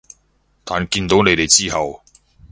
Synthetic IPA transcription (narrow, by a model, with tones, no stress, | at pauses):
t̪aː˨nkiː˧nt̪o˨˥wne˨˥jt̪e˨˩jt͡siː˥ɦɐ˨w